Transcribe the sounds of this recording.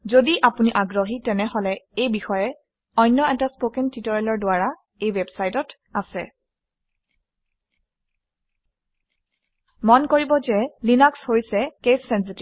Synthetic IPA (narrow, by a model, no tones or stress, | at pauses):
zodiʔapuniʔaɡɹoɦitɛnɛɦɔlɛejbixɔjɛ | ɔjnːɔɛtaspokɛntitoɹalɔɹdʊaɹa | ejwɛbsajtɔt | asɛ̰ | mɔnkoɹibɔzɛlinakshojsɛkesːɛns̬iti